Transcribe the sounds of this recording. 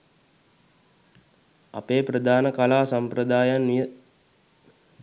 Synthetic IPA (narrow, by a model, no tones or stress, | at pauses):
a̰peːprəd̪aːnəkalaːsampɾəd̪aːjanːijə